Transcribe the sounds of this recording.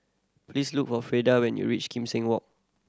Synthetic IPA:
pʰlisluk̚fɔfɹedawɛ̃njṵɹit͡ʃkʰĩmsɪ̃ŋwɔk̚

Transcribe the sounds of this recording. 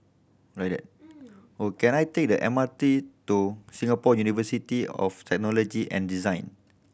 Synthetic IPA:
ɹajk̚dɛ̰t̚ | okɛ̃najtek̚dəʔɛ̃matitusĩŋapɔjunivəsitiɔ̰ftɛk̚nɔlɔd͡ʒiʔɛ̰̃ndizãj̃n

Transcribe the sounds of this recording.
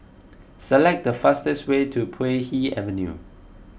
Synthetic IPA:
səlɛk̚dəfastɛstwetʰupʰehiɛ̰və̃njṵ

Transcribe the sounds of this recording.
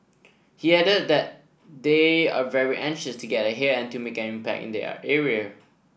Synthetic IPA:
hiɛɾət̚dɛt̚ | dea̰vɛɹiʔɛ̃ŋʃəstʰuɡɛtəɦɛɛ̃ntumekɛ̃nĩmpæ̰k̚ɪ̰̃ndɛ̰ɛɹiə

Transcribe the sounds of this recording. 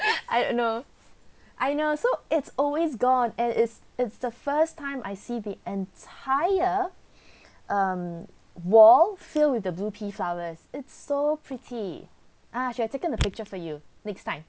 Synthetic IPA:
ajdõ̰nːo | ʔajnosoɪtsɔlwesɡɔ̃nɛ̃nʔɪtsɪtsdəfəstʰãɪ̃mʔa̰ɪsiðiʔɛ̃ntʰaɪə | ʔʌ̃m | wɔlfɪlwɪθdəblupʰiflaʊəsɪtsːopʰɹɪtʰi | ʔaʃiatekə̃ndəpɪk̚t͡ʃəfɔjunɛkstãɪ̃m

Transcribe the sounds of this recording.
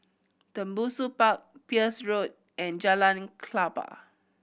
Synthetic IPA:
tə̃mbusupak̚piəsɹot̚ | ʔɛ̃nd͡ʒalãnkʰlapa̰

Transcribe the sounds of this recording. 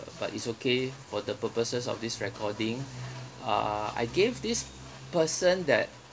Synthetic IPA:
ba̰titsokʰefɔdəpəpəsəsɔ̰fdisɹɛkʰɔdĩŋ | a̰a̰jɡevdis | pəsə̃ndɛ̰t̚

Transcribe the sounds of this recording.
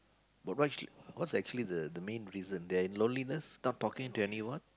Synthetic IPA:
bat̚w̚t͡ʃiwɔtsɛk̚t͡ʃuəlid̪əd̪əmẽnɹizə̃nd̪ɛaɪ̃nlõnlinəsnɔtːɔkɪ̃ŋntuɛniwãn

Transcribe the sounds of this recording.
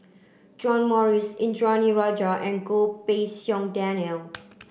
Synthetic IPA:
d͡ʒɔ̃nmɔɹisĩnd͡ʒɔniɹɔd͡ʒəʔɛ̃nɡopesjɔ̃ŋdɛnəl

